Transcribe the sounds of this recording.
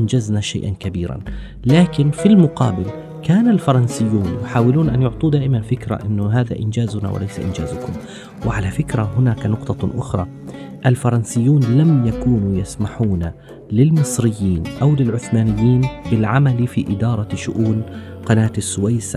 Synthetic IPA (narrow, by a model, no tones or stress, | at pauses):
nd͡ʒaznaʃa̰jʔankabiːɾa̰n | laːkɪnfilmʊqɑ̰ːbɪl | kaːnalfɑɾˤɑnsɪjːuːnjʊħaːwɪluːnʔanjʊʕt̪ˤuːd̪aːʔɪmanfɪkɾa̰ʔɪnːʊɦaːða̰ʔɪnd͡ʒaːzʊna̰wɪ̰lajsa̰ʔɪ̰nd͡ʒa̰ːzʊkʊm | wɪʕalafɪkɾahʊnaːkanʊqt̪ˤɑʔʊxɾˤɑ̰ | ʔalfɑɾˤɑnsɪjːuːnlamjakuːnujasmaħuːna | lɪlmɨsˤɾɪjːiːnʔawlɪlʕʊθmaːnɪjːiːnbɪlʕamalifiʔɪd̪ɑːɾˤɑʃʊʔuːn | qɑnaːt̪asːʊwajs